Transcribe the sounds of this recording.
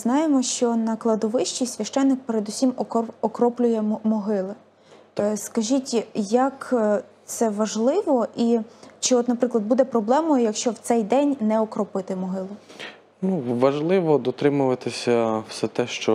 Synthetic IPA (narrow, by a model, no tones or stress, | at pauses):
znɑjemɔʃt͡ʃɔnɐklˠɐd̪ɔʋɪʃt͡ʃijsʲʋʲɐʃt͡ʃɛnːɪk̚peɾed̪usʲimɔkɾɔplʲʊjɛmɔɦɪlˠɪ | skɐʒʲitʲjɐkt̪sɛʋɐʒlˠɪʋɔʔit͡ʃɪɔt̪nɐpɾɪklˠɐd̪̚bud̪ɛpɾɔblˠɛmɔjʊjɐkʃt͡ʃɔwt̪sɛjd̪ɛnʲnɛɔkɾɔpɪt̪ɪmɔɦɪlˠʊ | nuʋɐʒlˠɪʋɔd̪ɔt̪ɾɪmʊʋɐt̪ɪsʲɐwsɛt̪ɛʃt͡ʃɔ